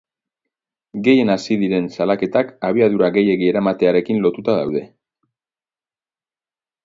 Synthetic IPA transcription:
ɡe̞je̞nasiðiɾe̞nsalake̞t̪akaβ̞iaðuɾaɣe̞je̞ɣie̞ɾamat̪e̞aɾe̞kinlo̞t̪ut̪aðawðe̞

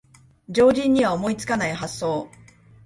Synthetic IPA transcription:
d͡ʑo̞ːʑĩɲ̟ːiβaomo̞it͡sɨ̥kanaiɦasːo̞ː

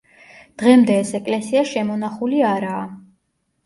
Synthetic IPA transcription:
d̪̥ʁɛmd̪ɛːsɛkʼlɛsiaʃɛmɔn̪aχuliaɾaː

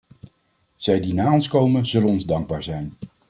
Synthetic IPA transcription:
z̥ɛjdinaːɔnskowmənzɵlənɔnzdɑŋɡ̚baːɹzɛjn

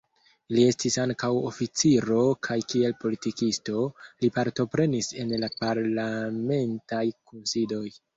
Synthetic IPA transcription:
lie̞stisaŋkawofit͡siɾo̞kʰajkie̞lpo̞litikisto̞lipaɾto̞pɾe̞nise̞nlapaɾlame̞ntajkunsido̞j

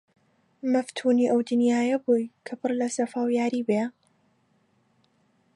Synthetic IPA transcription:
mɐft̪ʰuːniːʔɐwd̪ɨnjaːjɐbujkʰɐpɨrlɐsɐfaːwjaːɾiːbe

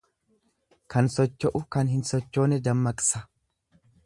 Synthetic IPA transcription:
kɐnsɔt͡ʃːɔʔʊkɐnɦɪnsɔt͡ʃːo̞ːnɛd̪ɐmːɐkʼsɐ

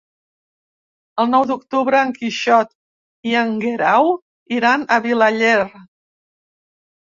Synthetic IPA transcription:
əlˠnɔwd̪ukt̪uβɾəːŋkiʃɔt̪ | iəŋɡeɾaw | iɾanəβilaʎer

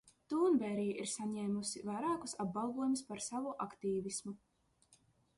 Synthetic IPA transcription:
t̪uːnbɛɾiːʔiɾsaɲɛːmusivajɾaːkusab̚balˠɡuɔjumispaɾsavuʔakt̪iːvismu

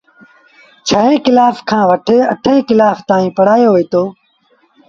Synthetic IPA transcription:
t͡ʃʰəɦẽːkɪlaːfkʰãːʋəʈʰeːəʈʰẽːkɪlaːft̪ãːĩːpəɽ̤aːjoːɦoiːt̪oː

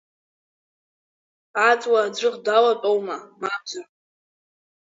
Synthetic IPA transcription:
ʕat͡sʼwad͡ʒʷɨqdalat͡pʼowmamabzar

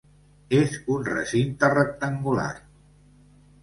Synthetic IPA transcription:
ezunrə̰sint̪ərək̚t̪əŋɡula̰ɾ

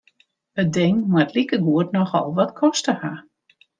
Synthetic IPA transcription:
ədɪŋmatlikəɡuətnɔxɔ̰lˠʋɔtkʰɔstəha

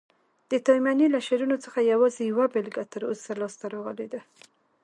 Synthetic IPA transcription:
d̪̥ət̪ɑjmjanilaʃeɾunot͡sə̥xajawɑzejawabelɡat̪əɾo̰salɑst̪aɾoɣəled̪a

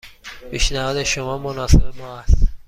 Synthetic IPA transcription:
piːʃnæɦɒːd̪eʃomɒːmonɒːsebemɒːæst̪

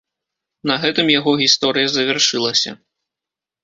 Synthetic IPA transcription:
nɐɣɛt̪ɨmjaɣɔɣʲist̪ɔɾɨjɐzɐvʲarʂɨlˠɐsʲɐ̰

